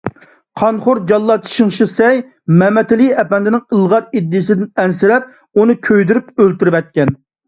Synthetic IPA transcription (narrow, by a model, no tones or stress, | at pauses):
qʰɑnχʊɾd͡ʒɑlˠːɑt͡ʃʰʃiŋʃisɛj | mɛmɛt̪ʰɪliɛpɛnd̪ɪnɪŋəlˠʁɑɾid̪ːijsɪd̪ɪnɛnsɪɾɛp̚ | unɨkʲʰøjd̪yɾypølt̪yɾɪwɛt̪̚kʲɛn